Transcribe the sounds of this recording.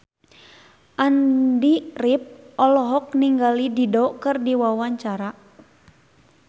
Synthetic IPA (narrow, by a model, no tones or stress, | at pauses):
ʔandirip̚ɔlɔɦɔk̚niŋɡalididɔkɨrdiwawaɲt͡ʃaɾa